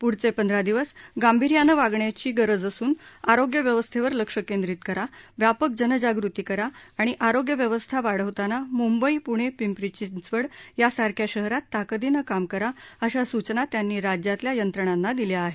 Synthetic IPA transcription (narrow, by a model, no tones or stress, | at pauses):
puɽt͡sepənd̪ʱɾad̪iʋəsɡambʱiɾjanəʋaɡɳjat͡ɕiːɡəɾəd͡zəsuːnaɾoɡjəʋjəʋəst̪ʰeʋəɾləkʂəkend̪ɾit̪kəɾaʋjapək̚d͡ʑənəd͡ʑaɡɾut̪iːkəɾaːɽ̃iʔaɾoɡjəʋjəʋəst̪ʰaʋaɽ̤əʋt̪anamumbəipuɽ̃epimpɾit͡ɕint͡sʋəɽjasaɾkʰjaɕəɦɾat̪ːakəd̪inəkamkəɾaəɕasut͡ɕnat̪janːiːɾad͡ʑjat̪ljajənt̪ɾəɳ̃anːad̪iljaːɦe